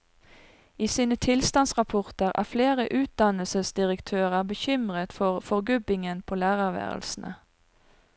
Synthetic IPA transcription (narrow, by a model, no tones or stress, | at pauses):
iːsiːnət̪ʰɪlst̪ɑnsʁɑpʰʊʁt̪əʁæ̰ːfleːʁəʔʉːt̪̚d̪ɑnəlsəsd̪ɪʁəkt̪ʰøːʁəbəçʏmʁət̪fɔʁfɔʁɡʉbɪŋənpʰoːlæːʁæʁʋḛːʁə̰lsn̩ʔə̰